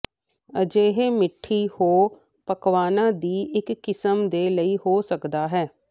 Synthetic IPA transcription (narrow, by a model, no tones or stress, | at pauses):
əd͡ʒeːɦeːmɪʈʰːiːhoː | pəkʋaːnãːd̪iːʔɪkːɪsəmd̪eːləiːhoːsəkd̪aːɦɛː